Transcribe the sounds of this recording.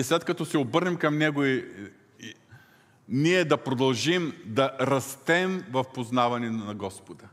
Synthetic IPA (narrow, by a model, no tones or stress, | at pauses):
islɛt̪̚kɐt̪ɔsɛobɤɾnɛmkɐmnɛɡʊi | niɛd̪ɐpɾod̪ɐlˠʒimd̪ɐɾɐst̪ɛmvɐfpoznavɐnɛnɐɡɔspod̪ɐ